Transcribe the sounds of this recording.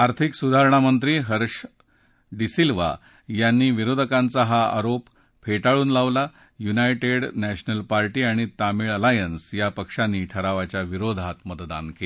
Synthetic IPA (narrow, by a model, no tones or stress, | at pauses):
aɾt̪ʰiksud̪ʱaɾɳamənt̪ɾiːɦəɾʂ | ɖisilʋa̰ | janːiːʋiɾod̪ʱəkãnt͡saɦaa̰ɾop | pʰeʈaɭuːnlaʋla | junajʈeɽnæɕnəlpaɾʈiːaɽ̃it̪amiɭəlajənsjapəkʂanːiːʈʰəɾaʋat͡ɕjaʋiɾod̪ʱat̪mət̪d̪a̰nkel